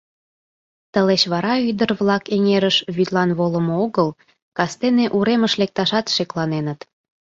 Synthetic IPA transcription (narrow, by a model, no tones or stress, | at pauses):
t̪əleɕβɑɾɑyd̪ərβlɑkeŋeɾəʃβyt̪lɑnβoləmooɣəl | kɑst̪eneʔuɾeməʃlek̚t̪ɑʃɑt̪ʃeklɑnenət̪